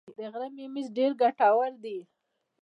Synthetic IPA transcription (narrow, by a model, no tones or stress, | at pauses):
d̪əɣɾamemizɖeɾɡaʈawaɾd̪i